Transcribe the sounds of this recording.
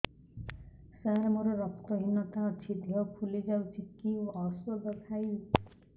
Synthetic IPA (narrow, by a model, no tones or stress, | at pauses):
saɾmʌɾoɾʌkt̪ʌɦinʌt̪aːt͡sʰit̪ijʌkʰulid͡zawt͡sʰikːiʌsoɡ̪ʌtʰaj